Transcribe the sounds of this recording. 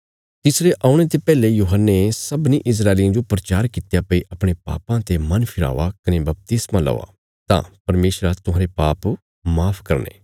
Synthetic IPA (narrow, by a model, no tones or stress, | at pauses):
t̪ɪsɾeʔaːʊɽ̃et̪epɛːlejuːɦənːesɐbnĩʔɪs̬ɾaːɪliãd͡ʒopɾɐt͡ʃaːɾkɪt̪japɐiʔɐpɽ̃epa̰ːpãt̪emɐnpʰɪɾa̰ːʋakɐnebɐp̚t̪ɪsmãlɐ̰ːʋa̰ː | t̪ã̰ːpɐɾmeːʃɾat̪ʊɦãːɾepaːp | maːpʰkɐɾnḛː